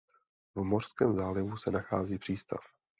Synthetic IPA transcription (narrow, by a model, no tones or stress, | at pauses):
vmo̞r̥skɛːmzaːlɪvusɛnaxaːziːpr̝̥iːst̪a̰f